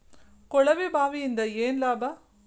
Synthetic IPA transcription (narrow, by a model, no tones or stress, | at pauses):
kɔɭɐʋibaːʋiɪnd̪ɐeːnlaːbɐ